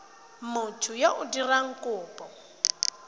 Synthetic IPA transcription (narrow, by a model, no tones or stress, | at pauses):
mʊtʰʊjaʔʊdiraŋ̩kʼʊːpʼɔ